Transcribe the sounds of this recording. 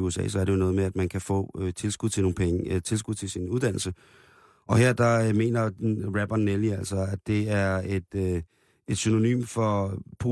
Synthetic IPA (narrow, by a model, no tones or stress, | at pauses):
uesɛ̰ːsɒ̽ɐɾ̥ejo̝nɔ̽ːð̞ˠmeæd̥mænkʰæfɔ̰ːøt͡sʰe̝lsɡ̥uðˠt͡sʰe̝no̝ːpʰeŋət͡sʰe̝lsɡ̥uðˠt͡sʰe̝lsinuð̞ˠd̥æn̰l̩sə | ʔɒ̽heɐ̰d̥ɑ̈me̝̰ːnɐʁæb̥ɐnːeliæl̰sɒæd̥e̝æɐed̥ | e̝d̥syno̝ny̰ːmfɒ̽pʰo